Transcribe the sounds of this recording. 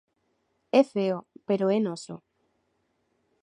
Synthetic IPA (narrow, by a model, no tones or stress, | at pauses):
efeopeɾoenoso̰